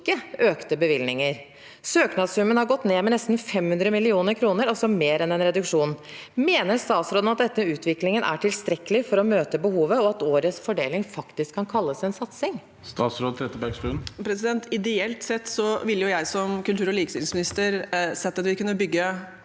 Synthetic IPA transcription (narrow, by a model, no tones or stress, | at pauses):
kːəʔøːkt̪əbəʋɪlnɪŋəɾ | søːknɑd̪sʉmənhɑɾɡɔt̪ːneːmɛnɛst̪n̩fɛmhʉnd̪ɾəmɪlɪuːnəɾkʰɾuːnəɾɔsɔmeːɾɛnɛnɾɛd̪ʉkʂuːnmeːnəɾst̪ɑːt̪sɾoːd̪ənɑt̪̚d̪ɛt̪ːəʉːt̪ʋɪklɪŋənʔæ̰ʈʰɪlst̪ɾɛkːəlɪfɔɾɔmøːt̪əbəhuːʋəɔɑt̪oːɾəsfɔɖḛːlɪŋfɑkt̪ɪskʰːɑnkʰɑlːəsɛnsɑt̪sɪŋ | st̪ɑːt̪sɾoːd̪̚t̪ʰɾɛt̪ːəbɛɡsʈʉːnpʰɾɛsɪd̪ɛnt̪ɪd̪ɛɛlt̪sɛt̪ːsɔʋɪlːəjʊjæɪsɔmkʉlt̪ʰʉːɾɔliːkəst̪ɪlsmɪnɪst̪əɾsɛt̪ːɑt̪ʋɪkʉnːəbʏɡːə